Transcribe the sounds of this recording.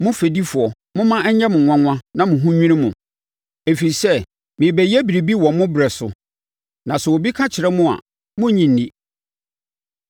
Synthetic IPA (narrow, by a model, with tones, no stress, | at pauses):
mʊ̃˦fe˨di˦fʊ˨ɔ˨ | mʊ̃˦mã˦ɛ˦ɲ̩˦ɲɛ̃˦mʊ̃˨ã˦ŋʷ˦ã˦nã˦mʊ̃˨ɦũ˦ɲᶣĩ˦nĩ˦mʊ̃˨ | e˨fi˨i˨sɛ˦ | mɪ̃˨bɛ˨jɛ˦bi˨ɾi˨bi˦wɔ̃˨mʊ̃˦bɾɛ˨sʊ̰˨ | nã˨sɛ˨wo˨bi˦kʰã˦t͡ɕʰɪ˨ɾɛ˦mʊ̃˦a̰˨ | mʊ̃˦ɲĩ˨n̩˨dĩ˦